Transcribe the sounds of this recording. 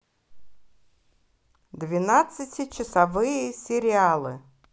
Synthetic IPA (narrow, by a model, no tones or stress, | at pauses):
d̪vʲɪnat̪sɨtʲɪt͡ɕɪsɐvɨjəsʲɪɾʲɪalˠɨ̰